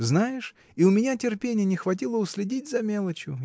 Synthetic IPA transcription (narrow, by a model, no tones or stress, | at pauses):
znajɪʂ | iʊmʲɪnʲatʲɪrpʲenʲɪjənʲɪxvɐt̬ʲilˠəʊsʲlʲɪdʲit̚ʲzɐmʲe̞lˠət͡ɕjʊ